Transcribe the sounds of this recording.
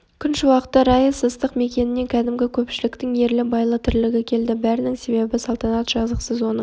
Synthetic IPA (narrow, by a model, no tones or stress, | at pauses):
kʲʰʏnʃɪwɑqə̥t̪ːɑɾɑjəsəst̪əqme̞kʲe̞nɪne̞ŋkʲʰæd̪ɪmɡʲɪkʲʰɵpʃɪlɪkt̪ɪŋje̞ɾlɪbɑjlˠət̪ʰʏɾlɪɡʲɪkʲʰe̞ld̪ɪbæɾɪnɪŋse̞be̞bɪsɑlˠt̪ɑnɑt̪ʒ̥ɑzəqsəzwo̞nə